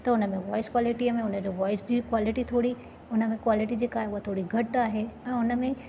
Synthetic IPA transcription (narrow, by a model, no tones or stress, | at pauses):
t̪ɐʊnəmẽʋɔːɪskwaːlɪʈiəmẽʊnəd͡ʑoʋɔːɪsd͡ʑiːkwaːlɪʈit̪ʰoːɽi | ʊnəmẽkwaːlɪʈid͡ʑeːkaːɦeʊɦat̪ʰoːɽiɡʱɐʈaːɦeɛ̃ːʊnə̆mẽ